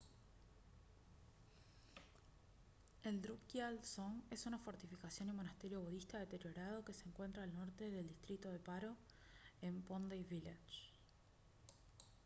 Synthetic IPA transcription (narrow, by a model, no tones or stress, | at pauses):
eld̪ɾukjalsone̞sunafo̞ɾt̪ifikasjo̞nimo̞nast̪e̞ɾjo̞βuðist̪aðe̞t̪e̞ɾjo̞ɾað̞o̞ke̞se̞ːŋkwe̞nt̪ɾaːlno̞ɾt̪e̞ðe̞ld̪ist̪ɾit̪o̞ðe̞paɾo̞ | empond̪ejβilat͡ʃ